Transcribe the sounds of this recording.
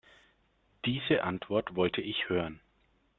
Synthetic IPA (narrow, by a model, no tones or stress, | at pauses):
d̥iːzəʔantv̥ɔɐtv̥ɔltʰəɪçhøːʁən